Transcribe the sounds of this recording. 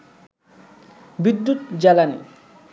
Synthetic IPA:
bid̪ːut̪d͡ʑɛlanḭ

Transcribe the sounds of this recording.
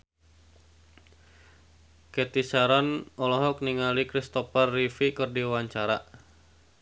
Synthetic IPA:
kɛt̪isaɾanɔlɔɦɔk̚niŋalikɾist̪ɔfarːifikɨrdiwaɲt͡ʃaɾa

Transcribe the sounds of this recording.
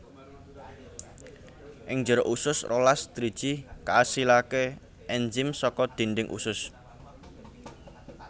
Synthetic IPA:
ʔɪŋd͡ʒɔ̤ɾɔʔusʊsrolasd̪ɾid̥ʒ̥i̤kaːsilake | ʔɛnd͡ʒɪmsɔkɔd̪̥inɖɪŋʔṵsʊs

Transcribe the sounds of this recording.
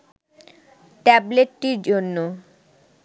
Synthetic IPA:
ʈɛbleʈːiɾd͡ʑonːo

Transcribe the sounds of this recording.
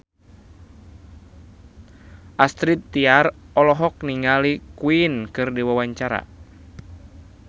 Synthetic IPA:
ʔast̪ɾit̪ːiarɔlɔɦɔk̚niŋalikuinkɨrdiwawaɲt͡ʃaɾa̰

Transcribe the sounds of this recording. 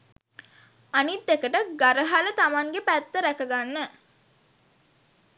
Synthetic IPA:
anit̪ːekəʈəɡaɾəɦalət̪amaŋɡepæt̪ːəɾækəɡanːə

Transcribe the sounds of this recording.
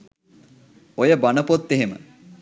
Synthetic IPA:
ojəbanəpot̪ːeɦemə̰

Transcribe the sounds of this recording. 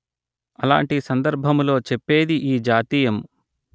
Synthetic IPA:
ɐla̰ːɳʈisɐnd̪ɐɾbʱɐmlo̞ːt͡ʃɛpːe̞ːd̪iʔiːd͡ʒaːt̪iːjɐm

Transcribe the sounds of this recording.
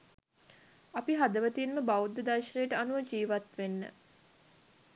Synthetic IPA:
apiɦad̪əʋət̪iːnməbaud̪ːəd̪aɾʃənejəʈəanuʋəd͡ʒiːʋat̪ʋenːə̰

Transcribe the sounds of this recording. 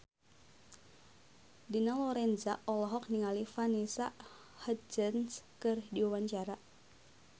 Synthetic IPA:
dinalɔɾɛnzaʔɔlɔɦɔk̚niŋalifanisa | həd͡ʒənskɨrdiuwaɲt͡ʃaɾa

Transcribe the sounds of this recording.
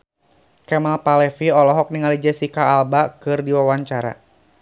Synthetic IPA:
kɛmalpalɛfiɔlɔɦɔk̚niŋalid͡ʒɛsikaːlbakɨrdiwawaɲt͡ʃaɾa̰

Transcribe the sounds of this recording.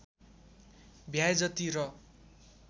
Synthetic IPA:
bʱjajd͡zʌt̪iɾʌ

